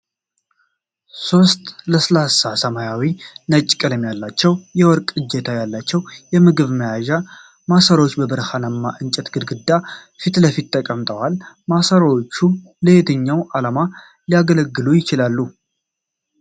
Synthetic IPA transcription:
so̞st̪ʼləslasːasəmajawinət͡ʃʼːkʼɨləmjalːat͡ʃːɛwjɛwɔɾkʼɨd͡ʒːɛt̪ʰajalːat͡ʃːɛwjɛmɨɡɨβməjaʒa | masəɾwot͡ʃːbəbɨɾhanəmːaʔɨnt͡ʃʼɛt̪ɡɨd̪ɡɨd̪ːa | fit̪ləfit̪ʰːəkʼəmt̪ʼəwalmasəɾwot͡ʃːu | ləhet̪ʰəɲːawʔalama | liaɡələɡːɨlujɪt͡ʃɪlalːu

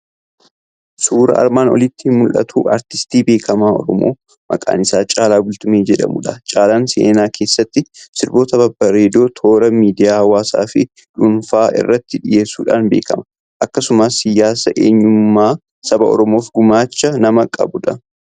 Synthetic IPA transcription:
suːɾɐ̰ɐ̰ɾmaːnɔ̰lɪt̪ːɪhɪnmʊlʔɐ̰t̪ʰṵːʔɐ̰ɾt̪ɪst̪iːbe̞ːkʰɐmaːɔ̰ɾɔmo̰ː | mɐ̰kʼa̰ːnɪsaːt͡ʃʼaːlaːbʊlt̪ʊmeːd͡ʒɛᶑɐ̰mʊ̰ᶑɐt͡ʃʼaːlaːnsḛːnaːkʰe̞ːsːɐt̪ːɪsɪɾbo̞ːt̪ɐbɐbːɐɾeːd̪o̞ːt̪ʰo̞ːɾɐmiːd̪ɪjaːhɐwːaːsa̰ːfɪ | ᶑʊnfaːʔɪ̰rːɐt̪ːɪᶑɪje̞ːsṵːᶑaːnbe̞ːkɐmɐ | ʔɐkːɐsʊmasɪjaːsɐʔḛːɲːʊmːaː | sɐbɐ̰ɔ̰ɾɔmoːfɡʊmaːt͡ʃːɐnɐmɐkʼɐ̰bʊᶑɐ

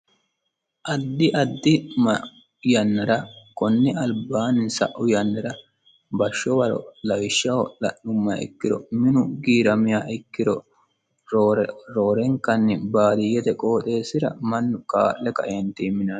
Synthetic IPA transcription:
ʔɐd̪ːɪʔɐd̪ːɪmɐ | jɐnːɐɾɐkɔnːɪɐlbaːnːɪsɐ̰ʔʊjɐnːɐɾɐ | bɐʃːɔwɐɾɔ̰lɐwɪʃːɐwɔlɐ̰ʔʊmːɐɪ̰kːɪɾɔ̰mɪnʊɡiːɾɐmɪjaːʔɪkːɪɾɔ | ɾoɾɾoːɾɛŋkːɐnːɪbaːd̪ɪjɛt̪ɛkʼoːt̪ʼe̞ːsːɪɾɐ̰mɐnːʊkaːʔːɛkɐ̰ʔɛnt̪iːmːɪnɐn

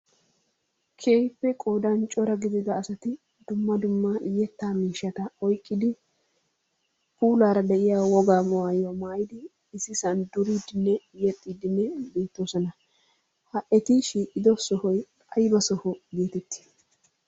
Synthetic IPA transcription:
kʰe̞ːjpːɛkʼoːd̪ɐnt͡ʃʼɔɾɐɡɪzɪd̪ɐːsɐt̪ɪ | d̪ʊmːɐd̪ʊmːɐʔɪjːɛt̪ːaːmiːʃːɐt̪ɐɔjkʼːɪd̪ɪ | puːlaːɾɐd̪ɛʔɪjaːwɔɡaːmɔwaːjomaːjɪd̪ɪː | sɪsɐnd̪ʊɾiːd̪ɪnːɛjɛt̪ʼːiːd̪ɪnːɛbe̞ːt̪ːoːsɔnɐ | hɐʔɛt̪ɪʃiːʔʼɪd̪ɔsɔhɔj | ɐjbɐsɔhɔɡe̞ːt̪ɛt̪ːɪ̥

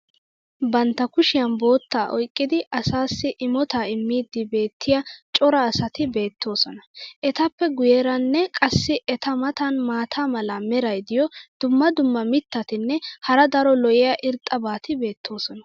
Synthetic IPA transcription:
bɐnt̪ːɐkʊʃɪjɐnbo̞ːt̪ːaːʔɔ̰jkʼːɪd̪ɪʔɐsaːsːɪʔɪmɔt̪aːɪmːiːd̪ːɪbe̞ːt̪ʰːɪjɐt͡ʃʼɔɾɐːsɐt̪ɪbe̞ːt̪ʰːo̞ːsɔnɐʔɛt̪ɐpːɛɡʊjeːɾɐnːɛkʼɐsːɪʔɛt̪ɐmɐt̪ɐnmaːt̪ʰaːmɐlaːmɛɾɐjd̪ɪjɔd̪̥ʊmːɐd̪ʊmːɐmɪt̪ːɐt̪ɪnːɛhɐɾɐd̪ɐɾɔlɔjɪjɐʔɪɾt̪ʼɐbaːt̪ɪbe̞ːt̪ːo̞ːsɔnɐ

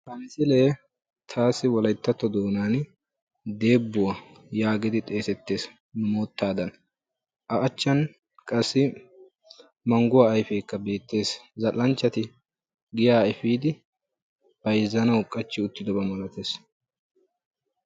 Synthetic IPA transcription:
hɐnɪsɪleː | t̪ʰaːsɪwɔlɐjt̪ːɐt̪ːɔd̪oːnaːn | d̪e̞ːbːʊwa | jaːɡɪd̪ɪt̪ʼe̞ːsɛt̪ːe̞ːs | nʊmo̞ːt̪ːaːd̪ɐn | ʔɐʔɐt͡ʃːɐn | kʼɐsːɪ | mɐŋɡʊwaːjfeːkːɐbe̞ːt̪ːe̞ːszɐlːɐnt͡ʃːɐt̪ɪ | ɡɪjaːɛfiːd̪ɪ | b̥ɐjzːɐnɐwkʼːɐt͡ʃːɪʊt̪ːɪd̪ɔbɐmɐlɐt̪eːs

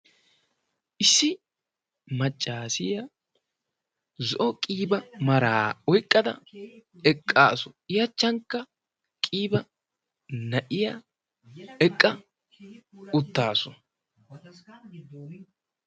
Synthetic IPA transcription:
ʔɪsːɪ | mɐt͡ʃʼːaːsɪjɐ | zɔʔɔkʼiːbɐmɐɾaːɔjkʼːɐd̪ɐ̰ | ɛkʼːaːsɔɪjɐt͡ʃːɐŋkːɐ | kʼiːbɐ | nɐʔɪja | ɛkʼːɐ | ʊt̪ːaːsɔ

